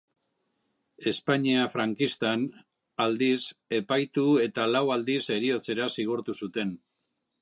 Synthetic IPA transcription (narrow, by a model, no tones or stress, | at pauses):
e̞spaɲiafɾaŋkist̪an | ald̪ise̞pajt̪ue̞t̪alawald̪ise̞ɾio̞t͡se̞ɾasiɣ̞uɾt̪usut̪e̞n